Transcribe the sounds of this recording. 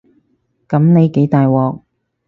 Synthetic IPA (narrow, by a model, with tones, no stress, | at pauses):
kɐ˨˥mne˨˧jke˨˥jt̪aː˨jwɔː˨k̚